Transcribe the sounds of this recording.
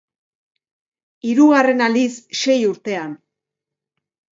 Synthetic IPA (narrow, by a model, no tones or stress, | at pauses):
iɾuɣare̞nalisʃe̞juɾt̪e̞an